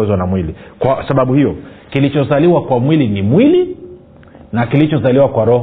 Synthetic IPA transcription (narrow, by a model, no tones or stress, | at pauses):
ɛzwanamwilikwasaɓaɓuhijɔkilit͡ʃɔzaliwakwamwilinimwili | nakilit͡ʃɔzaliwakwaɾɔ